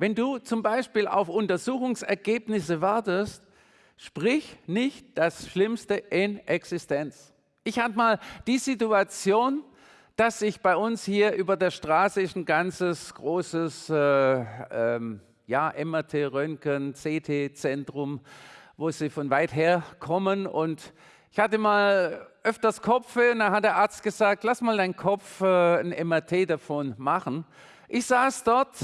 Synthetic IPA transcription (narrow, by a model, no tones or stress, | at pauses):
vɛnduːt͡sʊmbaɪʃpiːla̰ʊfʔʊntɐzuːxʊŋsɛɐɡeːpnɪsəvaɐtəst | ʃpʁ̥ɪçnɪçt̚d̥asʃlɪmstəʔɪnʔɛksɪstʰɛnt͡s | ʔɪçhabəmaːld̥iːzituat͡sjoːn | d̥asɪçb̥aɪʔʊnshiːɐʔyːbɐdeːɐʃtʁ̥aːsəɪçn̩ɡant͡səsɡ̥ʁoːsəsɛʔɛm | jaːʔɛmɛɐtʰeːʁœŋkənt͡seːtʰeːt͡sɛntʁ̥ʊmvoːziːfɔnvaɪtɦeːɐkʰɔmənʊnt | ʔɪçhatəmaːlʔœftɐskʰɔp͡ffəʊnd̥anɦat̚d̥eːɐʔaɐt͡st̚ɡ̥əzaːk̚tlasmaːldaɪnkʰɔp͡fɛnʔɛmɛɐtʰeːdafɔnmaχn̩ | ʔɪçz̥aːsd̥ɔɐt